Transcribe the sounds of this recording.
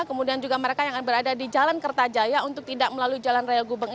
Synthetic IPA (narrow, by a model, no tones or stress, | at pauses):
kəmudiand͡ʒuɡaməɾekajaŋanbəɾadadid͡ʒalankərt̪ad͡ʒajaunt̪ʊk̚t̪idaʔ̚məlaluid͡ʒalanrajalɡubaŋ